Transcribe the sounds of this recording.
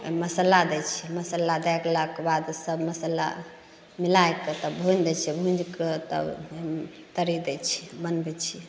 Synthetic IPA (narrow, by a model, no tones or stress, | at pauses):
məsəlad̪ɛt͡ʃʰiməsəlad̪ɛkʰləkbad̪səbməsəla̰ | milajkət̪əbʱũnd̪ɛt͡ʃʰɛbʱũd͡ʒket̪ə̰ | t̪əɾid̪ɛt͡ʃʰi̥mənbɛt͡ʃʰi